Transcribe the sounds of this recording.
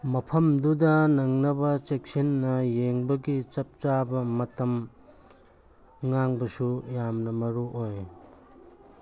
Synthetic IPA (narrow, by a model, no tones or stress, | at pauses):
mɐpʰɐmdudɐnɐŋnɐbɐt͡ʃek̚sinːɐjeŋbɐɡit͡ʃɐp̚t͡ʃabɐmɐtɐm | ŋaŋbɐsujamnɐmɐɾuʔoj